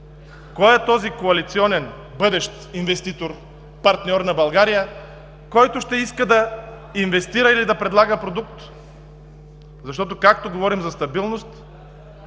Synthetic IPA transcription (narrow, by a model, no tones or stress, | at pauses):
kɔjɛt̪ɔzikoɐlit̪siɔnɛn | bɤd̪ɛʃt̪invɛst̪it̪oɾ | pɐɾt̪nʲɔɾnɐbɐlˠɡaɾijə | kɔjt̪ʊʃt̪ɛiskəd̪ɐ | invɛst̪iɾəilid̪ɐpɾɛd̪lˠaɡəpɾod̪uk̚t̪ | zɐʃ̬t̪ɔt̪̬okak̚t̪oɡovɔɾimzɐst̪ɐbilˠnost̪